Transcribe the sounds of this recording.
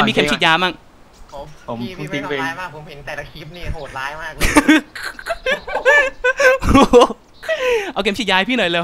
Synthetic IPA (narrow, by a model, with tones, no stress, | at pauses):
mi˧kʰe˧˥t͡ɕʰi˨˩t̪̚jaː˧maː˥˩ŋ̚˦ | pʰo˩˦mʰu˨˦˧t͡ɕi˧ŋpe˧nʰ˥˨˦o˨˩aː˦˥˩ | ʔa˧wke˧˩mt͡ɕi˨˩jaː˧pʰiː˥˩nɔ˨˩jlɤː˧